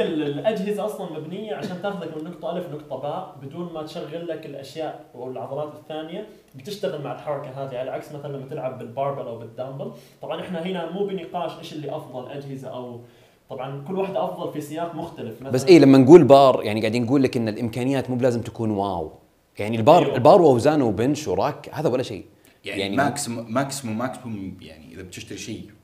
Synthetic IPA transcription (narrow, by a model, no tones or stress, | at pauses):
ɪllʔad͡ʒɦɪzaʔɑsˤlɑnmabnɪjːaʕaʃaːnt̪aːxʊðakmɪnːʊkt̪ˤɑʔalfnʊkt̪ˤɑbaːʔbɪd̪uːnmat̪ʃaɣːɪlːakɪlʔaʃjaːʔ | awɪlʕɑðˤɑɾˤɑːt̪ɪθːaːnɪja | bɪt̪ɪʃt̪aɣɪlmaʕɪlħɑɾˤːɑkaɦaːðiʕalaʕaksmaθalanlːamːat̪ɪlʕabːɪlbɑːɾˤbɑɾʔawbɪd̪ːambɪlt̪ˤɑbʕɑnʔɪħnaɦɪnamuːbɪnɪqɑːʃʔeːʃɪlːiʔɑfðˤɑlʔad͡ʒhɪzaʔaw | t̪ˤɑbʕɑnkʊlːwaħd̪aʔɑfðˤɑlfisɪjɑːqmʊxt̪alɪfmabasːʔiːlamːanɡuːlbɑːɾˤjaʕniɡaʕd̪iːnɡuːlːakʔɪnːalʔɪmkaːnɪjaːt̪muːblaːzɪmt̪ḁkuːnwaːw | jaʕnilbɑːɾˤɪlbɑːɾˤwawzaːnawbɪnʃwɾˤɑːkhaːðawalːaʃḛː | jaʕnjaʕnimaːksmaksmumakhʊmja̰ʕnḭʔɪðab̚t̪ɪʃt̪aɾiʃeː